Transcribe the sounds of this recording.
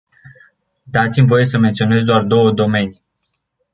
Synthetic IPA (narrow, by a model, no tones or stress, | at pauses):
d̪at̪simʲvo̞je̞s̬əment̪sio̞ne̞zd̪oard̪o̞wəd̪o̞me̞ni